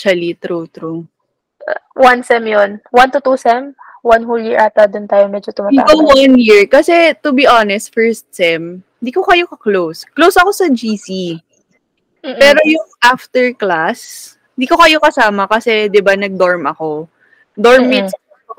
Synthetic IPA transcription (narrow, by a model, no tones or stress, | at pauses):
t͡ʃɐlit̪ɾut̪ɾu | wansɛmjonwant̪ʊt̪usɛm | wanɦuljiɹʔat̪ɐd̪ʊnt̪aːjomɛd͡ʒot̪ʊmat̪a̰bawanjiɹkɐsɛt̪ʊbiʔonɛst̪̚fɛɹst̪̚sɛmɪnd̪iːko̞kɐjo̞kɐklowsklowsʔɐko̞sɐd͡ʒiːsi | pɛːɾo̞jʊŋʔaft̪ɛɹklas | ɪnd̪iːko̞kɐjo̞kɐsaːmɐkɐsɛd̪ɪbanɐɡ̚d̪oɹmɐko̞ | d̪oɹmːis